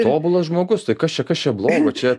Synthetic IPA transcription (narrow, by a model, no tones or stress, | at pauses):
oːbʊlˠɐsʒmoːɡʊst̪ɐɪkɐst͡ʃʲɛkɐst͡ʃʲɛblˠoːɡot͡ʃʲɛ